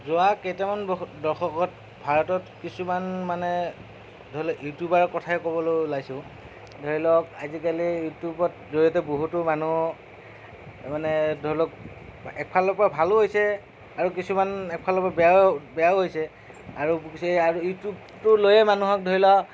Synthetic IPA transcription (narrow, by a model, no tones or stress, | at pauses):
zʊakejtamanbdɔɹxɔkɔt̚ | bʱaɹɔtɔtkisumanmanɛ | dʱoilɔkjutjubaɹɔkɔtʰaɛkɔbɔlojlaɡsʊ̃ | dʱoɹilɔkazikalijutjubɔt̚zoɹiɔtɛboɦutʊmanu | manɛdʱoilɔk̚ | ɛk̚pʰalɔpabʱalʊɦojsɛ | aɹukisumanɛk̚pʰalɔpabɛjabɛjaɦojsɛ | aɹueaɹujutjub̚ | tʊlojɛmanuɦɔk̚dʱoɹilɔ